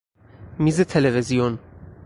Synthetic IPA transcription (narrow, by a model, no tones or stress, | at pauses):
mizet̪ʰɛlɛvezijon